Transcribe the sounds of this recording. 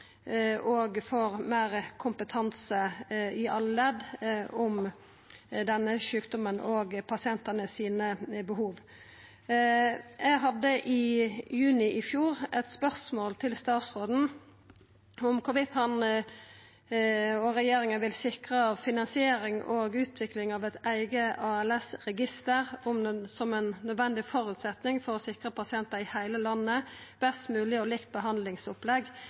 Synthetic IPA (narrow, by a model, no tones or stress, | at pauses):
ʔoːɡfɔʁmeːɾkʰʊmpət̪ʰɑnsəɪɑlːlɛd̪ɔm | d̪ɛnːəʃʉːkd̪ɔmənoːɡpʰɑsɪɛnt̪ənəsiːnəbəɦuːʋ | jɛɡɦɑd̪ːəʔɪjʉːnɪʔɪfjuːʁɛt̪spœʁsmoːlt̪ʰɪlst̪ɑːt̪sʁoːd̪n̩ | ʊmkʰʊʋɪt̪hɑn | ɔʁɛjeːɾɪŋənʋɪlsɪkʁəɑʋfɪnɑnsɪeːɾɪŋoːɡʉːt̪ʰʋɪklɪŋɑʋɛt̪æɪɡəʔɑɛlɛsʁɛɡɪst̪əʁʊmsɔmɛnːœd̪ʋɛnd̪ɪfɔʁʉːt̪sɛt̪nɪŋfɔʁɔsɪkʁəpʰɑsɪɛnt̪əɪhæɪləlɑnːəb̥ɛst̪mʉːlɪɔlɪkt̪̚bəɦɑnd̪lɪŋsʊplɛɡ